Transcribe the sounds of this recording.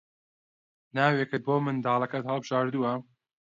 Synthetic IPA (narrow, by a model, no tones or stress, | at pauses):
naːwekɨt̪̚boːmɨnd̪ɑːlˠɐkɐt̪hɐlˠbɨʒaːɾd̪uwɐ